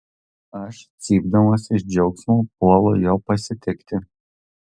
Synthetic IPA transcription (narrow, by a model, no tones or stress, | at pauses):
ɐʃsʲiːbd̪ɐmɐsʲɪʃd͡ʒʲɛʊksmoːpuɔlˠoːjoːpɐsʲɪt̪ʲɛkt̪ʲɪ